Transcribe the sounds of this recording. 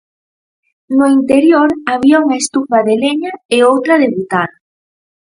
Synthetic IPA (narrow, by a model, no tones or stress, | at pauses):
nʊint̪eɾjoɾaβiauŋaest̪ufaðeleɲaɪowt̪ɾaðeβut̪aðɐ